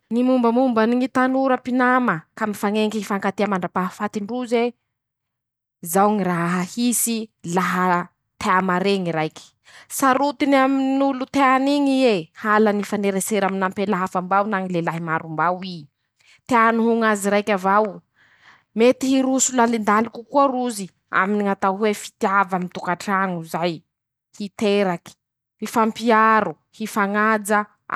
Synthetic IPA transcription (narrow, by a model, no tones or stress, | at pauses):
nimumbəmumbaniŋit̪anuɾəpinaməkamifaŋeŋkifaŋkat̪eəmaɳɖ͡ʐapaɦafat̪iɳɖ͡ʐuze | zawŋiraɦaɦahisilaɦə | t̪eamaɾeŋiɾajki̥ | saɾut̪inaminulut̪eaniŋiehalanifaneɾeseɾaminampelaɦafambawnaŋilelaɦimaɾumbawi | t̪eanuɦuŋaziɾajkʲavaw | met̪iɦiɾusulalind̪alikukuaɾuzi | a̰miniŋat̪awɦwefi̥t̪iavamit̪ukaʈ͡ʂaŋuzaj | hit̪eɾaki̥ | hifampiaɾu | hifaŋad͡zə